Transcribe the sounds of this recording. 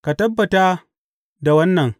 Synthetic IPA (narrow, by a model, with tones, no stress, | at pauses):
ka˨tɐ˦bːɐ˨ta˦ | da˨wɐ˦nːɐ˨ŋ